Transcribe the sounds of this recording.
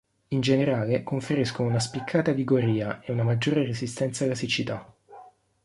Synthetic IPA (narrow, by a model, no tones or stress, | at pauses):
ind͡ʒeneɾaːlekoɱfeɾiskonounaspikʰːaːt̪aviɡoɾiːaʔeunamad͡ʒːoːɾerezist̪ɛnt̪salasit͡ʃit̪a